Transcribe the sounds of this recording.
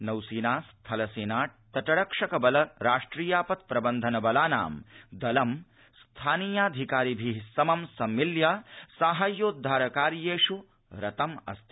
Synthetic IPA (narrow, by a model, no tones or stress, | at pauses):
nɐwsiːnaːst̪ʰɐlɐseːnaːʈ̚t̪ɐʈɐɽɐkʂɐkɐbɐlɐɾaːʂʈɾiːjaːpɐt̪̚pɾɐbɐnd̪ʱɐnɐbɐlaːna̰ːmd̪ɐlɐm | st̪ʰaːniːjaːd̪ʱikaːɾibʱisɐmɐmsɐmːiljaːsaːɦajoːd̪ʱaːɾɐkaːɾjeːʂu | ɾɐt̪ɐmɐ̰st̪ʰi